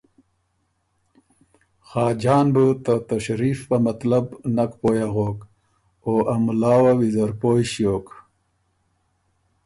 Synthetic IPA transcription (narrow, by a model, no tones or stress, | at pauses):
xɑːd͡ʒaːnbut̪at̪ɐɕɾiːfpamɐt̪labnakpoːjaɣoːk | oːʔɐmlaːwawizɐɾpoːjɕjoːk